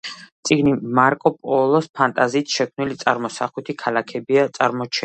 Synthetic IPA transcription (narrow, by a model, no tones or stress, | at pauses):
t̪sʼiɡnimaɾkʼɔpʼɔlˠɔspʰant̪ʼaziːt̪ʰʃɛkʰmnilit̪sʼaɾmɔsaχwɛt̪ʰikʰalakʰɛbiat̪sʼaɾmɔt͡ʃʰɛ